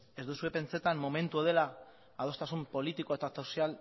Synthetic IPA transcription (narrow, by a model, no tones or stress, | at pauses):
e̞zd̪usue̞pe̞nt͡se̞t̪amːo̞me̞nt̪uaðe̞laː | ðo̞st̪asumpo̞lit̪ikoe̞t̪at̪osial